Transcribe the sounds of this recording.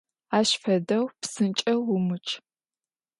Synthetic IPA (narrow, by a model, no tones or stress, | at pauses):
aːʃfɐdɐwpsɨnt͡ʃʼɐwʊmɨt͡ʃʰʼ